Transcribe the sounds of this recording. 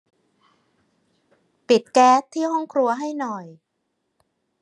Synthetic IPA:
pi˨˩t̪̚kɛː˦˥t̪ʰːiː˥˩ɦɔ˥˩ŋkʰɾu˧ɐɦa˥˩jnɔ˨˩j

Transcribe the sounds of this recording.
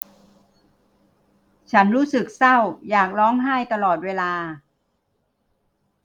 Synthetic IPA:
t͡ɕʰa˦˥nɾuː˦˥sɯ˨˩k̚sa˥˩wjaː˨˩k̚lɔː˦˥ŋɦaː˥˩jt̪a˧lɔː˨˩t̪̚weː˧laː˧

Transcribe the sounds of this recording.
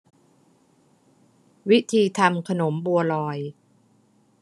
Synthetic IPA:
wi˦˥t̪ʰiː˧t̪ʰa˧mkʰa˧no˩˦mbu˧ɐlɔː˧j

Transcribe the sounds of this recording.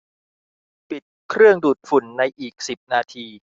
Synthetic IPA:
pi˨˩t̪̚kʰɾɯ˥˩əŋduː˨˩t̪̚fu˨˩nːa˧jʔiː˨˩k̚si˨˩p̚naː˧t̪ʰiː˧

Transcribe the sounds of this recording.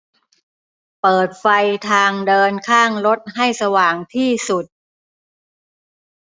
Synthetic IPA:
pɤː˨˩t̪̚fa˧jt̪ʰaː˧ŋdɤː˧nkʰaː˥˩ŋɾo˦˥t̪̚ɦa˥˩jsa˧waː˨˩ŋt̪ʰiː˥˩su˨˩t̪̚

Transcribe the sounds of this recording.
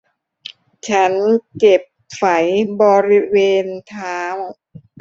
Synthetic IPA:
t͡ɕʰa˦˥nke˨˩p̚fa˩˦jbɔː˧ɾi˦˥weː˧nt̪ʰaː˦˥ŋ

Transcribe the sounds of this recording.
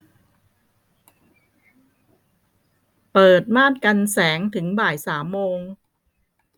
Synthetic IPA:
pɤː˨˩t̪̚maː˥˩t̪̚ka˧nsɛː˩˦ŋt̪ʰɯ˩˦ŋbaː˨˩jsaː˩˦mːoː˧ŋ

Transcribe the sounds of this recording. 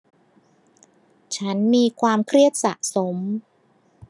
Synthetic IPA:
t͡ɕʰa˦˥nmiː˧kʰwaː˧mkʰɾi˥˩ət̪̚sa̰˨˩ʔso˩˦m

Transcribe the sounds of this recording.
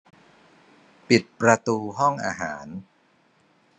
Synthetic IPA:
pi˨˩t̪̚pɾa˧t̪uː˧ɦɔ˥˩ŋʔaː˧ɦaː˩˦n

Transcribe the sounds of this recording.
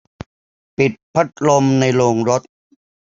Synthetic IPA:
pi˨˩t̪̚pʰa˦˥t̪̚lo˧mna˧jɾoː˧ŋɾo˦˥t̪̚

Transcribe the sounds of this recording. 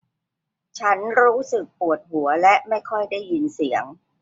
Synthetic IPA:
t͡ɕʰa˦˥nɾuː˦˥sɯ˨˩k̚pu˨˩ət̪̚hu˩˦ɐlɛ˦˥ʔma˥˩jkʰɔ˥˩jda˥˩jːi˧nsi˩˦əŋ

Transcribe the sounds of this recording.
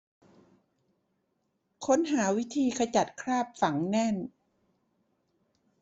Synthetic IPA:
kʰo˦˥nɦaː˩˦wi˦˥t̪ʰiː˧kʰa˧t͡ɕa˨˩t̪̚kʰɾaː˥˩p̚fa˩˦ŋnɛ˥˩n

